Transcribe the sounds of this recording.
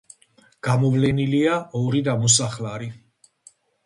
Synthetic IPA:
ɡ̥amɔvlɛniliaʔɔɾid̪amɔs̬aχlaɾi

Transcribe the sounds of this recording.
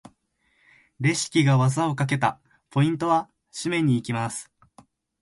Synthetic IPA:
ɾe̞ɕi̥kʲiɡaβazao̞kak̬e̞t̪a̰ | pʰo̞ĩnt̪o̞βa | ɕimẽ̞ɲ̟ːiːkʲimasɨ̥

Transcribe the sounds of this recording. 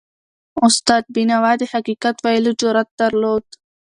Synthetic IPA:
ʊst̪aːd̪̚binawaːd̪ehakiːkat̪walud͡ʒoɾat̪̚d̪ɐɾloːd̪

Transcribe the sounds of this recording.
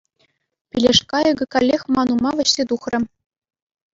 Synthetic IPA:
pʲilʲeʂkɑɤ̆ɡʲɤ̆kɑlʲːexʲmɑnumɑʋʲɘ̆ɕsʲet̪uχrʲɘ̆

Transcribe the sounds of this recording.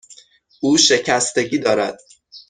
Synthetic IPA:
ʔuːʃe̞cʰæst̪e̞ɟiːd̪ɒːɾæd̪̥̚

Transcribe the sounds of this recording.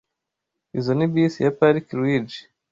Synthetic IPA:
izonibisijapaɾikiɾwid͡ʒi

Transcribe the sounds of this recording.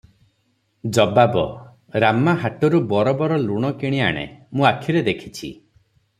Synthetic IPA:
d͡ʒɔbabɔ | ɾamaɦaʈɔɾubɔɾɔbɔɾɔluɽ̃ɔkiɽ̃ia̰ɽ̃ḛmũakʰiɾed̪ekʰi̥t͡ʃʰḭ

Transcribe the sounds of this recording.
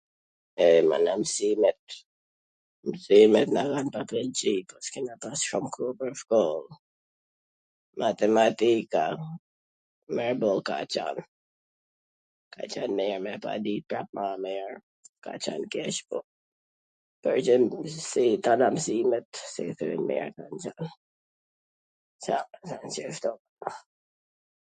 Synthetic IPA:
ɛma̰namsimɛt̪ | msimɛt̪nakanpaplɛnt͡ʃipɔskinatasʃɔmkʰɾupəfkɔl | mʔat̪ɛmat̪ika | mɛɾbɔlka̰t͡ʃa̰n | kʰa̰t͡ʃanmɛɹmɛpa̰dipɹap̚mamɛɹ | ka̰t͡ʃa̰nkɛʃbɔ | pəɹd͡ʒɪnsit̪anamsimɛt̪sɛθə̰ɪ̰nmɛ̰ɹkant͡ʃan | samasansɛft̪ɔm | a

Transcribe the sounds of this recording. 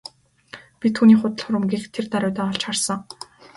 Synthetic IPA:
pʲit̪ʰːuːniːχʊt̪ə̆ɮχʊɾə̆mɡext̪ʰːert̪aɾʲʊːt̪aːɔɬt͡ɕχarsə̆ŋ

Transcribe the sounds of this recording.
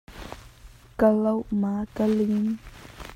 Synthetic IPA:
kəlowmaːkəlin

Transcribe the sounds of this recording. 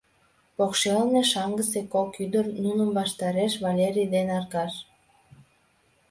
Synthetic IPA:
pokʃelneʃɑŋɡəsekokyd̪ərnunəmbɑʃt̪ɑɾeʃβɑlʲeɾʲijd̪enɑrɣɑʃ

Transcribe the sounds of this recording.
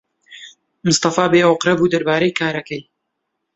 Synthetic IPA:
mʊst̪ɑfaːbeːoqɾɐbuːd̪ɐɾbaːɾɐjkʰaːɾɐkɐj

